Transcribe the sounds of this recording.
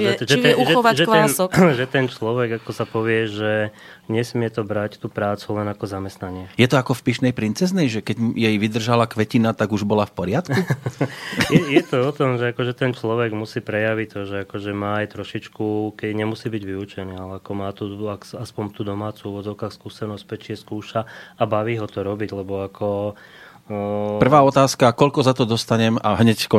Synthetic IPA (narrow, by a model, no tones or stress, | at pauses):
ʒɛʒɛuʒɛɔʋaɛkʋ̪ɛsɔkʒɛt̪ɛnt͡ʃlɔʋɛɡakɔsapɔʋɪɛʒɛ | ɲɛsmɪɛt̪ɔbɾact̪uːpɾaːt͡sulɛnakɔzamɛst̪naɲɪɛjɛt̪ɔakɔfpiʃnɛjpɾint͡sɛznɛjʒɛkɛɟjɛjʋid̪r̩ʒalakʋɛcinat̪aɡuʒbɔlafpɔɾɪat̪ku | jɛjɛt̪ɔɔt̪ɔmʒɛakɔʒɛt̪ɛnt͡ʃlɔʋɛɡmusiːpɾɛjaʋict̪ɔʒɛakɔʒɛmaːajt̪ɾɔʃit͡ʃkukɛɲɛmusiːbiɟʋiut͡ʃɛniːalɛakɔmaːt̪uakaspɔɲt̪uːd̪ɔmaːt͡suːuʋɔd͡zɔʊkaːxskuːsɛnɔsc̚pɛt͡ʃiɛskuːʃaabaʋiːɦɔt̪ɔɾɔbiɟlɛbɔakʰɔ | pr̩ʋaːɔt̪aːskakɔʎkɔzat̪ɔd̪ɔst̪aɲɛmaɦɲɛckɔ